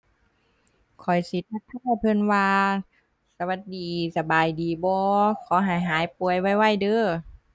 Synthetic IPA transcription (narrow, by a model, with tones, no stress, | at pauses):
kʰɔ˨˩jsi˨˦t̪̚ʰːa˧˥t̪ʰːaː˧˥˧pʰɤ˧˥˨nwaː˧ | sa˧wa˧˦t̪̚diː˨sa˧baː˨˩jdiː˨˩bɔː˧kʰɔː˨˦ɦa˨˧˩jɦaː˨˦jpu˨˩əjwa˧˥˩jwa˧˥˩jdɤː˧